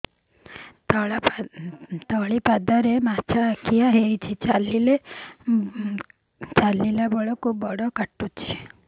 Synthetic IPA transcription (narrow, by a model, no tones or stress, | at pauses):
t̪ɔɭipad̪aɾemat͡ʃʰakʰijaɦeit͡ʃʰit͡ʃalile | t͡ʃalilabɔɭɔkʰubbɔɽɔkaʈːut͡ʃʰe